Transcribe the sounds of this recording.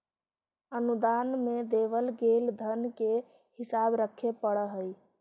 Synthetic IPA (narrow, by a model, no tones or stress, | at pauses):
ənud̪anmed̪eʋəlɡeld̪ʱənke | hisabɾəkʰːepəɽəɦəj